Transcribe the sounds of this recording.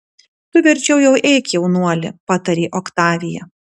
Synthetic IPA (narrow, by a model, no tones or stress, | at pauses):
t̪ʊʋʲɛɾʲt͡ʃʲɛʊjɛʊʔɛːkʲjɛʊnuɔlʲɪ̰pɑːt̪ɐɾʲeːʔɔkt̪ɑːʋʲɪjɛ